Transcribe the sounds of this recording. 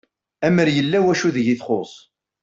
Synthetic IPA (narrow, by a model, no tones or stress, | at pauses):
æməɾjəlːæwæʃuðʝiθχosˤ